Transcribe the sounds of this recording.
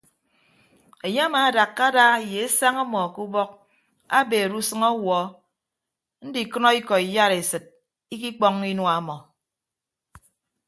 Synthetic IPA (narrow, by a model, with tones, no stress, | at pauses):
e˨ɲe˦a˦maː˨a˨da˨kːa˦daː˦˨je˨e˦sa˦ŋa˦mɔ˨ku˦bɔ˦k̚ | a̰˦beː˨ɾu˦sɨ˦ŋɔ˦wɔ˨˦ | n̩˦di˨kɨ˦nɔ˦i˦kɔ˨i˨ja˦ɾe˨sɨ˨t̚ | i˦k̬i˦k͡pɔ˦ŋi˦nwa˦mɔ˨